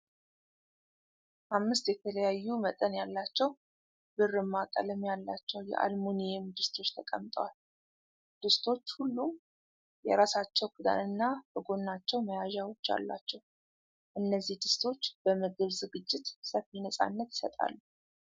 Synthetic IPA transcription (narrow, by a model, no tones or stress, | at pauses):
ʔamːɨst̪jɛt̪ʰələjajːumət̪ʼənjalːat͡ʃːɛw | bɨrɨmːakʼə̰ləmjalːat͡ʃːɛwjɛ̰ʔa̰lmunijemd̪ɨst̪ʰo̞t͡ʃːt̪ʰəkʼəmt̪ʼəwal | d̪̥ɨst̪ʰo̞t͡ʃːhulːum | jɛɾasat͡ʃːɛwɡud̪a̰nɨnːab̥əɡo̞nːat͡ʃːɛwməjaʒawo̞t͡ʃːa̰lːa̰t͡ʃːɛw | ʔɨnːəzːihd̪ɨst̪ʰo̞t͡ʃːb̥əməɡɨβzɨɡɨd͡ʒːɪt̪səfinəsʼa̰nːət̪j̥sət̪ʼa̰lːu